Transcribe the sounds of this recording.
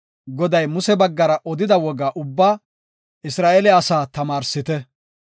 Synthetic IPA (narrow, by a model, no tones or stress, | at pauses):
ɡɔd̪ɐjmʊsɛbɐɡːɐɾɐʔɔd̪ɪd̪ɐwɔɡaːʔʊbːaː | ʔɪsɾaːʔɛlɛɐsaːt̪ɐmaːɾsɪt̪ɛ